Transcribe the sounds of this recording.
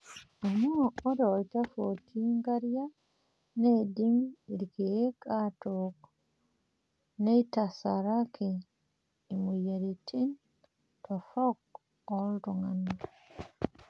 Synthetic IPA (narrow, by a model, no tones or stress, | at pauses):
omuoɾoitafotʰiŋɡaɾja | nedimiiɾɡekatok | neitasaɾakʰiː | mujaɾitʰin | tʰofok | olɾuŋana